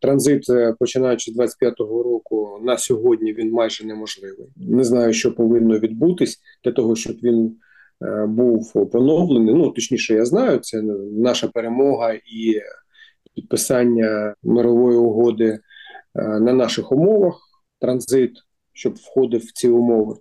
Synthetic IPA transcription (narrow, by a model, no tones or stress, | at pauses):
t̪ɾɐnzɪt̪ɛpɔt͡ʃɪnɑjʊt͡ʃɪzd̪ʋɑt͡sʲɪ̥tʲpjat̪ɔɦɔɾɔkʊnɐsʲɔɦɔdʲnʲiʋʲinmɑjʒɛnɛmɔʒlˠɪʋɪjnɛznɑjʊʃt͡ʃɔpɔʋɪnːɔʋʲid̪̚but̪ɪsʲ | d̪̥lʲɐt̪ɔɦɔʃt͡ʃɔbʋʲin | buwpɔnɔwlˠenɪnut̪ɔt͡ʃnʲiʃɛjaznɑjʊt̪sʲɛnɑʃɐpeɾemɔɦɐi | pʲid̪̚pɪsɑnʲːɐmeɾɔʋɔjiʊɦɔd̪ɪ | nɐnɑʃɪxʊmɔʋɐx | t̪ɾɐnzɪt̪ | ʃt͡ʃɔbwxɔd̪ɪwt͡sʲiʊmɔʋɪ